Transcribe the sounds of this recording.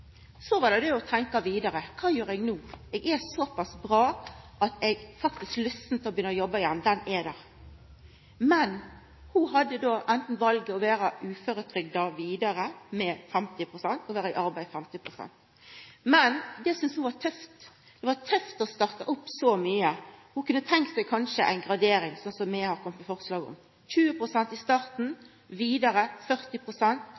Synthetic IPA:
sɔʋɑd̪ɛd̪ɛɔt̪ʰɛŋkɑʋiːd̪ɑɾəkʰɑːjʉːɾɛɡnuːɛɡɛsɔpɑsbɾɑːʔɑt̪ɛɡfɑk̚t̪ɪsklœst̪ːn̩t̪ʰɪɔbjʏnːəɔjɔbɑɪjɛnːd̪ɛnɛd̪æ | mɛn | hʊɦɑd̪ːəd̪oːʔɛnt̪n̩ʋɑlɡəɔʋæːɾɑʉːføɾət̪ʰɾʏɡd̪ɑʋiːd̪ɑɾəmɛfɛmt̪ɪpʰʁʊsɛnt̪ɔʋæːɾəɪʔɑɾbæɪfɛmt̪ɪpʰɾʊsɛ̰nt̪ | mɛnd̪ɛsʏnshʊʋɑt̪ʰœft̪ | d̪̥ɛʋɑt̪ʰœft̪ɔst̪ɑʁt̪ɑʔʊpːsɔmyːəhʊkʉnːət̪ʰɛŋkt̪sæɪkʰɑnʃəʔæ̰ɪnɡɾɑd̪eːɾɪŋsɔnsɔmːɛhɑɾkʰɔmːət̪ɛfɔʁslɑːɡɔ̰m | çʉːəpʁʊsɛnt̪ɪst̪ɑːɾt̪n̩ | ʋiːd̪ɑɾəfœɾt̪ɪpʰʁʊsɛnt̪

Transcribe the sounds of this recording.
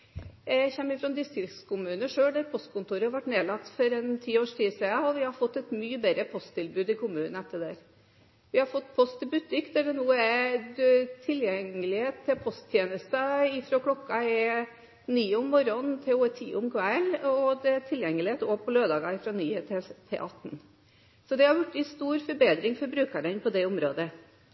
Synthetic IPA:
æçɛmːɪfɾɔnd̪ɪst̪ɾɪkt̪skʊmʉːnəʂøːɖæɾpʰɔst̪̚kʊnt̪uːɾəhɑɾʋɑʈːneːlɑkt̪ːfɔɾɛnt̪ʰiːoːʂʈʰiːsɛɑɔʋɪhɑɾfɔt̪ːɛt̪myːəbɛɾəpʰɔst̪ɪlbʉːd̪ɪkʰʊmʉːnənəɛt̪ːəd̪æɾ | ʋɪhɑɾfɔt̪ːpʰɔst̪ʰːɪlbʉt̪ːɪkd̪æɖɛnuːəæɾ | t̪ʰɪljɛŋːəlɪheːt̪ʰːɪlpʰɔst̪ʰjeːnəst̪əɪfɾokʰlɔkːɑɛ | niːʊmːɔɾɔnt̪ʰɛot̪ʰḭːʊmkʰʋælɔd̪ɛt̪ʰɪljɛŋːəlɪeːt̪oːpʰɔløːd̪ɑːɡɑɪfɾɑnyːət̪ʰɛt̪ʰːɪ̰ʔɑt̪ːn̩ | sɔd̪ɛhɑɾjʊʈːɪst̪uːɾfɔɾbeːd̪ɾɪŋfɔɾbɾʉːkəɾənpʰɔd̪ɛʊmɾo̰ːd̪ə

